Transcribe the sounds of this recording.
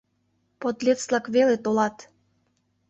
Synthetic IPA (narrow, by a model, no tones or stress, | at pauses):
pot̪lʲet͡s̪lɑkβelet̪olɑt̪